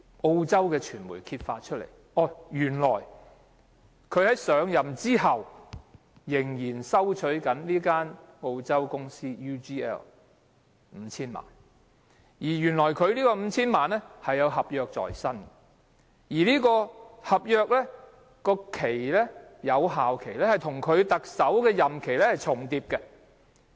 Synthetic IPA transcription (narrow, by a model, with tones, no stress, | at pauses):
o˧wt͡sɐ˥wkɛː˧t͡ʃʰyː˨˩nmṵ˨˩jkʰiː˧t̚fa̰ː˧t̚t͡ʃʰɵ˥lḛ˨˩j | ʔɔː˨˩jyː˨˩nlɔː˨˩j | kʰɵ˨˧ɥhɐ˨˥jsœː˨˧ŋjɐ˨mt͡siː˥ɦɐ˨w | jɪ˨˩ŋjiː˨˩nsɐ˥wt͡ʃʰɵ˨˥ɥkɐ˨˥nliː˥kaː˥n | o˧wt͡sɐ˥wkʊ˥ŋsiː˥juː˥t͡ʃiː˥ɛ̰ː˥l | m̩˨˧˥t͡sʰiː˥nma̰ː˨˩n | jiː˨˩jyː˨˩nlɔː˨˩jkʰɵ˨˧ɥliː˥kɔː˧m̩ː˨˧t͡sʰiː˥nmaː˨nlɛ˥hɐ˨jːɐ˨˧wɦɐ˨p̚jœː˧k̚t͡sɔ̰ː˨˩jsɐ˥n | jiː˨˩liː˥kɔː˧hɐ˨p̚jœː˧k̚lɛː˥ | kɔː˧kʰe˨˩jlɛ˥jɐ˨˧wɦaː˨wkʰe˨˩jlɛ˥hɐ˨jt̪ʰʊ˨˩ŋkʰɵ˨˧ɥt̪ɐ˨k̚sɐ˨˥wkɛː˧jɐ˨˩mkʰe˨˩jlɛ˥hɐ˨jt͡sʰʊ˨˩ŋt̪iː˧p̚kɛ˧